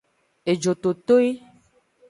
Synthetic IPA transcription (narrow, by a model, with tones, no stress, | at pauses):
e˨d͡ʒo˨t̪o˨t̪o˦e˦